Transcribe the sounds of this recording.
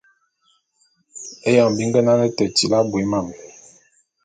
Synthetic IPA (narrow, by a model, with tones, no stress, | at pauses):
e˦jɔ˦˨ŋ˨bi˨˦ŋ˦ɡɛ˦na˦nɛ˦tə˨ti˨la˦bwi˨˦ma˦˨m˨